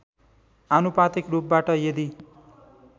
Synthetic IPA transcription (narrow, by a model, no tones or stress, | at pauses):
anupat̪ikrup̚baʈʌjed̪i